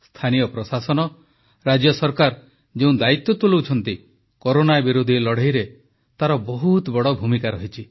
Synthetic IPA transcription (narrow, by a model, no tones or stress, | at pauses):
st̪ʰanijɔpɾɔsasɔnɔ | ɾad͡ʒjɔsɔɾkaɾ | d͡ʒeũnd̪ait̪ːɔt̪ulowt͡ʃʰɔnt̪i | koɾonabiɾud̪ʱilɔɽ̤ejɾe | t̪aɾɔbɔɦut̪bɔɽɔbʱumikaɾɔɦit͡ʃʰi